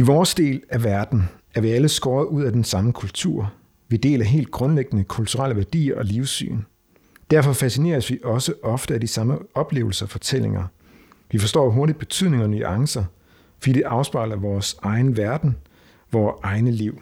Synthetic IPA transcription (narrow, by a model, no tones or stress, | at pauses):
iʋɒːsd̥e̝̰ːlæʋæɐd̥n̩ | æɐʋiæləsɡ̥ɒːɐð̞̩ˠuð̞̰ˠæd̥ensɑ̈məkʰult͡sʰuɐ̰ | ʋid̥e̝̰ːlæɦe̝̰ːld̥̚ɡ̥ʁɔ̽nleɡ̥ənəkʰult͡sʰuʁal̰əʋæɐd̥ḭːɐʔɒ̽liʊsy̰ːn | d̥æɐfɒ̽fæsine̝̰ːɐsʋiʔɒ̽səʔɒ̽fd̥əæd̥isɑ̈məɒ̽b̥le̝̰ːʊl̩sɐɒfɒ̽t͡sʰel̰e̝ŋɐ | ʋifɒ̽sd̥ɒ̰ːɦoɐɾid̚b̥e̝t͡sʰyð̰ˠne̝ŋɒny̰ʔɑ̈ŋsɐ | fɒd̥ḭːd̥e̝ʔɑ̈ʊsb̥ɑ̈ɪ̰lɐʋɒːsɑ̈ɪnʋæɐd̥n̩ | ʋɒːɑ̈ɪnəliʊ̰